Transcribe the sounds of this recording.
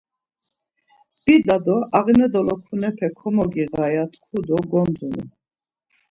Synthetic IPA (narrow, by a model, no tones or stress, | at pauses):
bid̪ad̪ɔʔaʁinɛd̪ɔlɔkʰunɛpʰɛkʰɔmɔɡiɣajat̪ʰkʰud̪ɔɡɔnd̪unu